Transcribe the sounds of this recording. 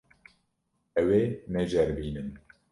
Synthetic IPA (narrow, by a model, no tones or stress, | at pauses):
ɛweːnɛʒɛɾmiːnɨn